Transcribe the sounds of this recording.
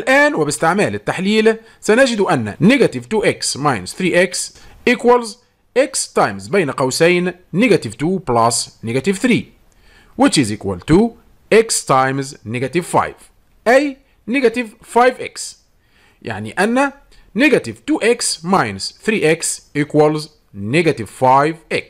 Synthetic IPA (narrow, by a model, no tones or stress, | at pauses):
ʔælʔæːnwɪbɪst̪ɪʕmæːlɪt̪ːaħliːl | sænæd͡ʒɪd̪uʔænːæ̰nɪɡæt̪ɪvt̪uːʔeksmajnsθɾiːʔeksʔɪkwælz | ʔekst̪ɑjmzbeːjnqɑwsæjnː | ɪɡæt̪ɪvt̪uːplasnɪɡæt̪ɪvθɾiː | wɪt͡ʃizʔɪkwæ̰lt̪uː | ʔɪkst̪ajmznɪɡat̪ɪvfa̰jv | ʔæj | nɪɡat̪ɪv | fajvʔɪ̰ks | jʔa̰ʕnḭʔænːa | nɪɡat̪ɪvt̪uːʔeksmajnasθɾiːʔeksʔikwalz | nɪɡat̪ɪvfajvʔɪks